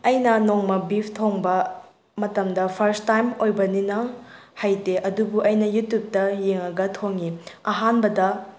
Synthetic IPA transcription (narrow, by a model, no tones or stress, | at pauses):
ɐjnɐnoŋmɐbipʰtʰoŋbɐ | mɐtɐmdɐpʰɐɾstajmojbɐninɐhajteʔɐdubuʔɐjnɐjutjup̚tɐjeŋɐɡɐtʰoŋiɐɦanbɐdɐ